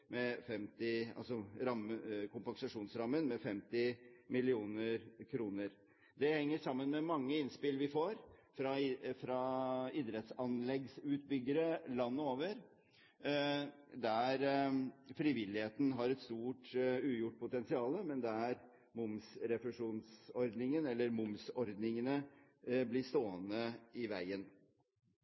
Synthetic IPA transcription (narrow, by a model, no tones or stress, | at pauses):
mɛfɛmt̪ɪɑ̰lsɔɾɑmːəkʊmpɑŋsɑʂuːnsɾɑmːənmɛfɛmt̪ɪmɪlɪuːnəɾkʰɾuːnəɾ | d̪ɛhɛŋːəʂɑmːənmɛmɑŋːəɪnspɪlʋɪfoːɾfɾɑfɾɑɪd̪ɾɛt̪sɑnlɛɡsʉːt̪bʏɡːəɾəlɑnːəoːʋəɾ | d̪æɾ | fɾɪʋɪlɪheːt̪n̩ɦɑɾɛt̪st̪uːʈʉːjʊʈːpʰʊt̪ɛnsɪɑːləmɛnd̪ɛæɾ | mʊmsɾɛfəʂuːnsɔɾd̪nɪŋənɛlːəɾmʊmsɔɾd̪nɪŋənə | blɪst̪oːənəɪʋæɪən